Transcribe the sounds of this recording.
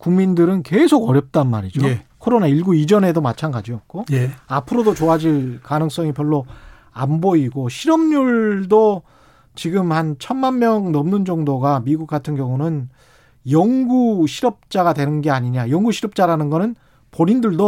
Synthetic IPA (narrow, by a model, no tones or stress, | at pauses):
kuŋmindɯɾɯnke̞sʰoɡʌɾjʌp̚t͈anmaɾid͡ʑokʰoɾonaiɭɡuid͡ʑʌne̞domat͡ɕʰanɡad͡ʑiok͈ojeapʰɯɾodot͡ɕoɦad͡ʑiɭkanɯŋs͈ʌŋipjʌɭːo | amboiɡoɕʰiɾʌmɲuɭdo | t͡ɕiɡɯmhant͡ɕʰʌnmanmjʌŋnʌmnɯnd͡ʑʌŋdoɡamiɡuk͈̚atʰɯnɡjʌŋunɯn | jʌŋɡuɕʰiɾʌp̚t͡ɕ͈aɡadwe̞nɯnɡe̞aɲiɲajʌŋɡuɕʰiɾʌp̚t͡ɕ͈aɾanɯnɡʌnɯn | poɾindɯɭdo